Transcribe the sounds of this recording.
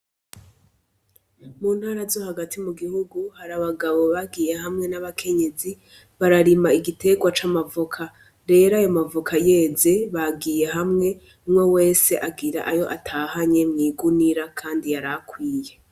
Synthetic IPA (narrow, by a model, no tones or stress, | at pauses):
muːnhaːɾazohaɡatʰimuɡihuɡuhaɾaβaɡaβo̞βaɡiːje̞hamŋe̞naβakʰe̞ɲe̞zi | βaɾaɾimaiɡitʰe̞ɡwat͡ʃamavukʰa | ɾe̞ɾajo̞mavukʰaje̞ze̞βaɡiːje̞ɦamŋe̞ | mŋwowe̞ːse̞ʔaɡiɾa̰ʔajo̞ʔa̰tʰahaɲe̞mŋiːɡuniɾakʰaːndiaɾakwiːje̞